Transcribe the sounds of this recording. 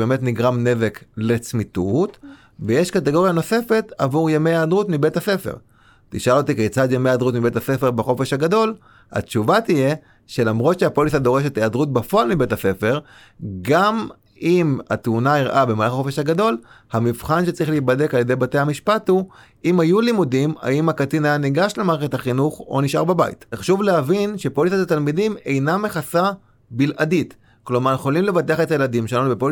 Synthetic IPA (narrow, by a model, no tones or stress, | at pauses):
bemetniɡʁamne̞veklet͡smitut̪ | vejeʃkateɡo̞ʁjano̞se̞fe̞tavuʁjamejaːdʁutmibe̞thase̞fḛʁ | t̪iʃalot̪ikejt͡sad̪jame̞jaːd̪ʁutmibetase̞fe̞ʁbeχo̞fe̞ʃhaɡado̞l | a̰tt͡ʃuvat̪ije̞ | ʃe̞lamʁo̞t̪ʃeapoliθad̪o̞ʁe̞ʃ̬et̪eadʁut̚bafoalmibe̞tase̞fe̞ʁ | ɡam | ima̰tunaiʁʔabe̞malaχaxofeʃhaɡado̞lhamivχanʃet͡saʁiχliːtbade̞kalje̞dejbate̞jhamiʃpathu | imajulimudima̰imakatinajaniɡaʃlemaʁeet̪haχinuχo̞niʃʔa̰ʁbabaḭtχʃuvleavinʃe̞polisatatalmidime̞jnameχasa | bilʔadit | klo̞maʁeχolimle̞vateaχet̪ajeladimʃealanubepol